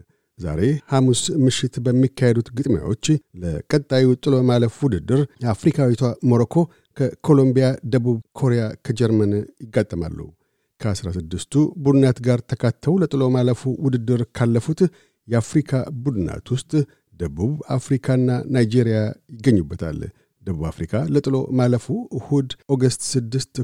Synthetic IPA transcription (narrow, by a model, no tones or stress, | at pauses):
za̰ɾe̞hamusmɨʃːɪt̪bəmːikʰːahed̪ut̪ɡɨt̪ʼmja̰wo̞t͡ʃːləkʼət̪ʼːawit̪ʼɨlo̞maləfwʊd̪ɨd̪ːɨɾjɛafɾikʰawit̪ʰamoɾokʰo̞ | kʰəkʰo̞lo̞mbijad̪əβuβkʰo̞ɾejakʰəd͡ʒɛɾmənjɪɡːat̪ʼːəma̰lːṵ | kʰəasɾasɨd̪ːɨst̪ʰubud̪ɨnat̪ɡaɾt̪ʰəkʰat̪ʰːəwlət̪ʼɨlo̞maləfuwʊd̪ɨd̪ːɨɾkʰalːəfut̪ | jɛafɾikʰabud̪ɨna̰t̪wʊst̪ʼ | d̪̥əβuβafɾikʰaɨnːanajd͡ʒeɾijajɪɡːəɲːubːət̪ʰa̰l | d̪̥əβuβa̰fɾikʰalət̪ʼɨlo̞̰maləfuhud̪oɡəst̪sɨd̪ːɨst̪